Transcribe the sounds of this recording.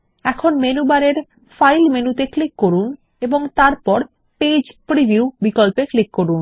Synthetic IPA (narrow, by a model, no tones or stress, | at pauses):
ɛkʰonmenubaɾeɾ | fajlmenut̪eklikːoɾun | eboŋt̪aɾpɔɾ | ped͡ʑpɾibʱiiubikolpeklikːoɾun